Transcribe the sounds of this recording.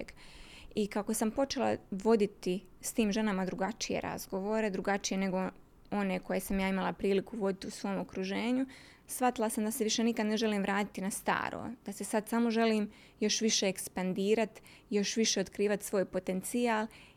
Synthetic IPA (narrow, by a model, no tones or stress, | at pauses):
ɡ | ikako̞sampo̞t͡ʃe̞la̰ʋo̞d̪it̪i | st̪iːmʒe̞namad̪ɾuɡat͡ʃije̞̰ɾa̰zɡo̞ʋo̞ːɾe̞d̪ɾuɡat͡ʃije̞ne̞ɡo̞ | o̞ne̞ko̞je̞samjaːimalapɾiːlikuʋo̞d̪it̪iusʋo̞ːmo̞kɾuʒe̞ːɲu | sʋat̪ilˠasamd̪aseʋiʃe̞nikad̪ne̞ʒe̞liːmʋɾaːt̪i̥t̪inast̪a̰ːɾʔo̰ːd̪̥ase̞sad̪samo̞ʒe̞liːm | jo̞ʃʋiʃe̞ːkspand̪iːɾat̪ | jo̞ʃʋiʃe̞o̞t̪kɾiːʋat̪sʋo̞ːjpo̞t̪e̞nt̪siaːlˠ